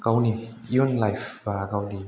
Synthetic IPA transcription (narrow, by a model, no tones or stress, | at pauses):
kawnijinlajfbaːkawni